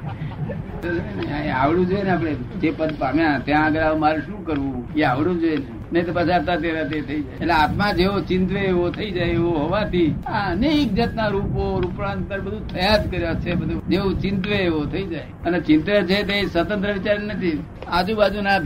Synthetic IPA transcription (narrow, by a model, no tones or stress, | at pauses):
neaʋlũd͡ʒoenapɽed͡ʒepəd̪pamjãt̪jãəɡəɾamaɾũʃũkəɾʋũeaʋɭũd͡ʒoen | nəit̪opət͡ʃʰaɾt̪at̪eɾat̪et̪ʰəid͡ʒajeeleat̪mãd͡ʒeot͡ʃɪ̃nt̪̬ʋeːʋot̪ʰəid͡ʒaeeʋoɦoʋat̪iaənek̚d͡ʒət̪naɾupoɾupɾãnt̪̚pəɾbəd̪ʱũt̪ʰəjad̪kəɾjot͡ʃʰebəd̪ʱud͡ʒeot͡ʃɪ̃nt̪ʋeːʋot̪ʰəid͡ʒaj | ənet͡ʃɪnt̪ɾət͡ʃʰet̪esət̪ə̃nt̪ɾəʋit͡ʃaɾnət̪ʰi | ad͡ʒũbad͡ʒuna